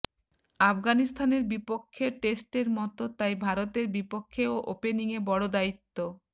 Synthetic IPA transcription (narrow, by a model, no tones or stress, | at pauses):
afɡanist̪ʰaneɾbipokʰːeʈesʈeɾmɔt̪ot̪ajbʱaɾot̪eɾbipokʰːeoʔopeniŋebɔɽod̪ait̪ːo